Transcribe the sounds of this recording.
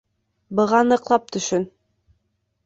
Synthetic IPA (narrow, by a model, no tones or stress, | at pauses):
bɤ̆ʁɑnɤ̆qlˠɑp̚t̪ʰɵ̆ʃɵn